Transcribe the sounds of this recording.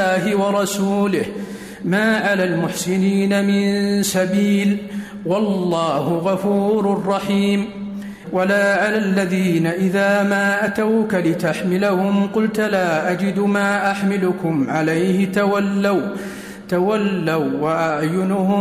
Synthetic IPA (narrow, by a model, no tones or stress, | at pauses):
aːɦɪwɑɾˤɑsuːlɪh | maːʕalaːlmʊħsɪniːnamɪnsabiːl | wɑlːɑːhʊɣɑfuːɾrˤːɑħiːm | walaːʕalalːaðiːnaʔɪðaːmaːʔat̪awkalɪt̪aħmɪlahʊmqʊlt̪laːʔad͡ʒɪd̪maːʔaħmɪlʊkʊmʕalajhɪt̪awalːaw | t̪awalːawːaʔaʕjʊnʊhʊ